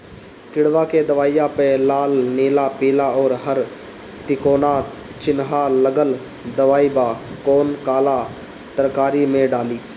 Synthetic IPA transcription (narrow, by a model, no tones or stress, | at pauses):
kɪɽʋaːkeːd̪əʋaːijaːpelaːlneːlaːpiːlaːɔːɾɦəɾ | t̪ɪkoːnaː | t͡ʃɪnɦaːləɡəl | d̪əʋaːiːbaːkoːnkaːlaː | t̪əɾkaːɾimẽːɖaːliː